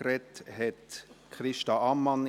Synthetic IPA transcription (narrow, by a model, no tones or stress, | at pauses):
ɾɛthɛtkχɾɪʃtɑɑmːɑn